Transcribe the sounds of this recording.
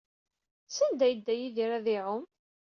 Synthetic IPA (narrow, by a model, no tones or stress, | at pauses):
sænd̪æjəd̪ːæjiðiɾæðiʕʊm